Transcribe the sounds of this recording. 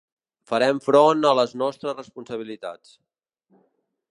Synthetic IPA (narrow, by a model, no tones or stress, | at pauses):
fəɾɛmfɾɔnələznɔst̪ɾəzrəspunsəβ̞ilit̪a̰t͡s